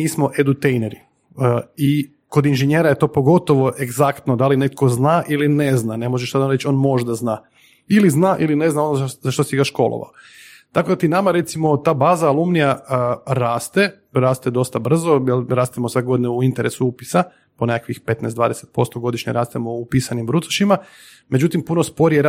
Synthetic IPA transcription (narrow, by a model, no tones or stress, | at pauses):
miːsmo̞ʔed̪ut̪ejneɾi | i | ko̞d̪inʒeɲjeɾaje̞t̪o̞ːpo̞ɡo̞t̪o̞ʋo̞ʔeɡzakt̪nod̪aline̞t̪̚kʰo̞znaːʔiline̞znane̞moʒeʃsad̪aɾet͡ʃo̞nmo̞ʒd̪aznaː | iliznaːʔiline̞znaonozaʃt̪osiɡaʃko̞̰lˠo̰a̰o | t̪ako̞d̪at̪inamaɾe̞t̪simo̞t̪aːbaːzaːlˠumnijaɾaːst̪e̞ | ɾaːst̪e̞d̪o̞st̪abr̩zojelɾaːst̪emosʋeɡo̞d̪ineuint̪eɾʔesuupi̥sa | ponekakʋixpe̞t̪nɛjsd̪ʋaːd̪eset̪̚po̞st̪oɡo̞d̪iʃɲeɾaːst̪emoupisanimbɾut̪ḁʃima | me̞d͡ʑut̪impunospo̞ɾijeɾ